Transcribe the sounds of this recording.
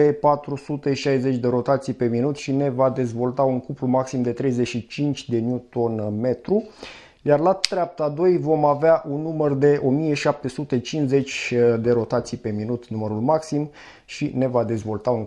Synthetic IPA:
epat̪ɾusut̪e̞ʃajze̞t͡ʃʲd̪e̞ɾo̞t̪at̪sijpe̞minut̪ʃine̞vad̪e̞zvo̞lt̪auŋkuplumaksimd̪e̞t̪ɾe̞jzeʃit͡ʃint͡ʃʲd̪e̞njut̪o̞nme̞t̪ɾu | jarlat̪ɾeap̚t̪ad̪o̞jvo̞maveaʔunːumərd̪e̞ʔo̞mije̞ʃap̚t̪e̞sut̪e̞t͡ʃinze̞t͡ʃʲd̪e̞ɾo̞t̪at̪sijpe̞minut̪numəɾulmaksim | ʃine̞vad̪e̞zvo̞lt̪auŋ

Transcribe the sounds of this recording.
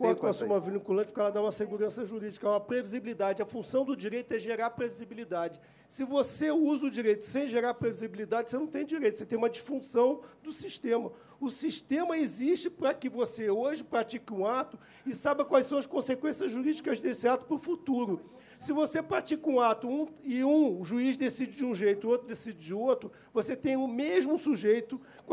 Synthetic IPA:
kɐ̃t̪ãsũmɐvinĩkulɐ̃t͡ʃɪpɾkɛlɐd̪aũmɐseɡuɾɐ̃sɐʒuɾid͡ʒikɐũmɐpɾevizibilid̪ad͡ʒɪɐfũsɐ̃w̃d̪ʊd͡ʒiɾejt̪ʊɛʒeɾaɾpɾevizibilid̪ad͡ʒɪ | sɪvoseuzɐʊd͡ʒiɾejt̪ʊ̥sẽj̃ʒeɾaɾpɾevizibilid̪ad͡ʒɪsenɐ̃w̃t̪ẽj̃d͡ʒiɾejt̪ʊset̪ẽj̃umɐd͡ʒiʃfũsɐ̃w̃d̪ʊsiʃt̪ẽmɐ | ʊsiʃt̪ẽmɐeziʃt͡ʃɪpɾɐkɪvoseoʒɪpɾat͡ʃikɪũat̪ʊ | ɪsajbɐkwajsɐ̃w̃ɐʃkõsekwẽsiɐzʒuɾid͡ʒikɐzd̪esɪat̪ʊ̥pɾʊfut̪uɾʊ | sɪvosepɾat͡ʃikũat̪ʊũɪũʒuizd̪esid͡ʒɪd͡ʒɪũʒejt̪ʊɪot̪ɾʊd̪esid͡ʒɪd͡ʒɪot̪ɾʊ | voset̪ẽj̃ʊmeʒmʊsuʒejt̪ʊ | k

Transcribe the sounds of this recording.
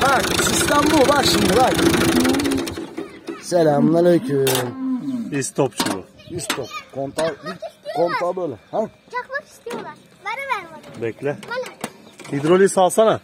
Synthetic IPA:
hasist̪ambulˠvaɾʃimd̪ivaɾi | selʲamnaløjkʰynist̪ʰopt͡ʃʰulṵist̪ʰop̚kʰont̪aikʰont̪abølʲɛhḁ | bɛklʲɛ | hid̪ɾolʲisalˠsana

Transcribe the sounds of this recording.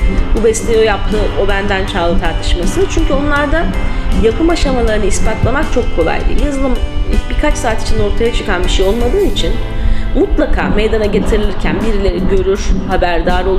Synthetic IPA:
bubɛslʲeojap̚t̪ʰɯʔo̞bænd̪ænt͡ʃʰaːlˠɯt̪ʰaɾt̪ʰɯ̥ʃmasɯt͡ʃʰyɲcʰyo̞nlˠaɾd̪ajakɯmaʃamalˠaɾɯnɯispat̪lˠamakt͡ʃʰo̞kʰːo̞lˠa̰jd̪ʲˠḭjazɯlˠɯmbiɾkʰat͡ʃsaːt̪i̥t͡ʃʰino̞ɾt̪ʰajat͡ʃʰɯkanbiʃejo̞lˠmad̪ɯːnit͡ʃʰinmut̪lˠakʰa̰ːmejd̪anaɟe̞t̪ʰiɾilʲiɾcʰæ̰nbiɾilʲɛɾɟø̞ɾyɾ̥habæɾd̪aːɾolˠ

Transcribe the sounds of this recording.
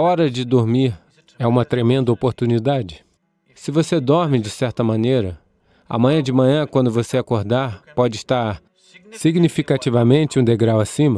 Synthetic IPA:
ɐɔɾɐd͡ʒɪd̪oɾmiɾ | ɛũmɐt̪ɾemẽnd̪ɐopoɾt̪unid̪ad͡ʒɪ | sɪvosed̪ɔɾmɪd͡ʒɪsɛɾt̪ɐmɐ̃nejɾɐ | ɐ̰mɐ̃ɲɐ̃d͡ʒɪmɐ̃ɲɐ̃kwɐ̃nd̪ʊvoseakoɾd̪aɾpɔd͡ʒɪiʃt̪aɾ | siɡnifikat͡ʃivɐmẽnt͡ʃɪũd̪eɡɾawasĩmɐ

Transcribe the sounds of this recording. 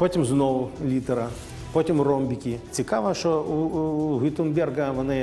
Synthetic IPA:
pɔtʲimznɔwʊlʲit̪ɛɾɐ | pɔtʲimurɔmbʲikʲit͡sʲikaʋɐʃɔuɦʲit̪ʊnbʲɛrɡɐʋɔnɪ

